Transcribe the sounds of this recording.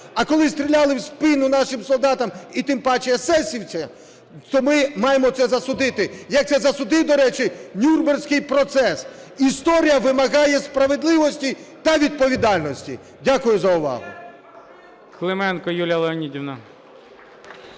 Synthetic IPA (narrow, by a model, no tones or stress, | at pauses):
ɐkɔlˠɪst̪ʲɾʲilʲalˠɪwspɪnʊnɑʃɪmsɔlˠd̪ɑt̪ɐmit̪ɪmpɑt͡ʃɪjɐsɛsʲiwt͡sʲɐ | t̪ɔmɪmɑjemɔt̪sɛzɐsʊd̪ɪt̪ɪjɐk̪̚sɛzɐsʊd̪ɪd̪ɔɾɛt͡ʃɪnʲurbersʲkɪjpɾɔt̪sɛsist̪ɔɾʲijɐʋɪmɐɣɑjɛspɾɐʋed̪lˠɪʋɔsʲtʲit̪ɐʋʲid̪̚pɔʋʲid̪ɑlʲnɔsʲtʲḭ | dʲakʊjʊzɐʊʋɑ̰ɦʊ̰ | klˠemɛnkɔjulʲɐlˠeɔnʲidʲiwnɐ